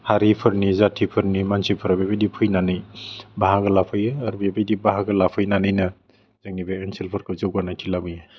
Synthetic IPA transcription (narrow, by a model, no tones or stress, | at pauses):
haɾipʰɯɾnizatʰipʰɯɾnimansipʰɯɾabebedipʰɯjnanɯjbaɦaɡɯlapʰɯjɯːɾbebejdibaɦaɡɯlapʰɯjnanɯjnɯ | zɯŋnibeensilpʰɯɾkʰɯzɯwɡanajtʰilabija